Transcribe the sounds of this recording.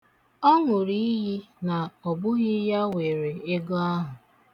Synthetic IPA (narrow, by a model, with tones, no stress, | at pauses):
ɔ˦ŋʷʊ˨ɾi˦i˦ɦi˦na˨ɔ˨bʊ˦ɣɪ˦ja˦we˨ɾe˨e˦ɡɔ˦a˦ɦʊ˨